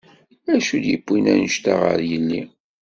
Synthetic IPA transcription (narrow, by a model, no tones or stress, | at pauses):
æʃud̪jəbʷːinænəʃt̪aʁə̰ɾjənːi